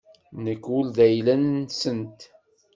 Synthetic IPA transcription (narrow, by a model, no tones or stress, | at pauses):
nəkːʊld̪æjlænsənt̪